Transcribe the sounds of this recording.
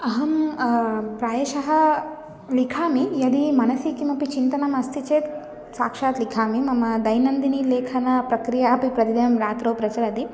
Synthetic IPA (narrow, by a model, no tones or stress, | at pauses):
ɐɦɐm | pɾaːjɐʃɐɦɐ | likʰaːmijɐd̪imɐnɐsikimɐpit͡ʃint̪ɐnɐmɐst̪ʰit͡ʃeːt̪ | saːkʂaːt̪likʰaːmimɐmɐd̪ɐjnɐnd̪inileːkʰɐnɐpɾɐkɾijaɐpipɾɐd̪id̪jɐmɾaːt̪ɾoːpɾɐt͡ʃɐɾɐd̪i